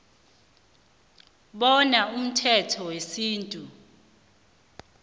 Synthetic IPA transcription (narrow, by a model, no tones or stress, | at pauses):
ɓɔnaum̩tʰɛtʰɔwesiːntʼu